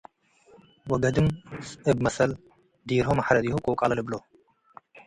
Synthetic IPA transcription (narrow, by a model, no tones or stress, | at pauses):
wɔɡɐd̪ɨmsʔɨb̚mɐsɐl | d̪iɾɦomaħɾɐd̪ihukʼowkʼalɐlɨblo